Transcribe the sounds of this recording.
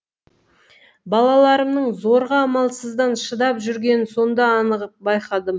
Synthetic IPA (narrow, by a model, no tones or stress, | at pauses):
bɑlˠɑlˠɑɾəmnəɴzo̞ɾʁɑːmɑlˠsəzd̪ɑnʃəd̪ɑpʒʏɾɡʲe̞nɪnso̞nd̪ɑːnəʁəp̚bɑjqɑd̪əm